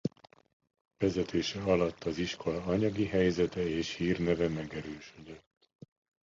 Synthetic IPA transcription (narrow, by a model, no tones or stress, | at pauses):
vɛzɛt̪ʰeːʃɛɒlɒt̪ːɒziʃko̞lɒɒɲɒɡiɦɛjzɛt̪ɛeːʃhiːrnɛvɛmɛɡɛɾøːʃød̪øt̪ː